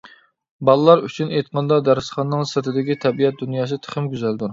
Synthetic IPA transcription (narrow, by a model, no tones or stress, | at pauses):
bɑlˠɨlˠɑɾyt͡ʃʰynejt̪̚qʰɑnd̪ɑd̪æɾsχɑnːɨŋsɨɾt̪ʰɪd̪ɪkʲit̪ʰɛbijɛt̪̚d̪unjɑːs̬ɨt̪ʰə̥χɪmɡʲyzæld̪uɾ